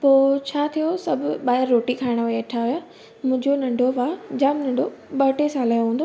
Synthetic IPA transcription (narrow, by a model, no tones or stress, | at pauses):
poːt͡ɕʰaːt̪ʰijosɐbʱʊɓaːɦɪɾːoːʈikʰaːɪɽ̃ʋɐʈʰaɦʊja | mʊ̃ɪ̃ɲd͡ʑonɐ̃ɳɖʱoʋaːd͡ʑaːmnɐ̃ɳɖʱoɓɐʈesaːlaːjõɦũːnd̪oː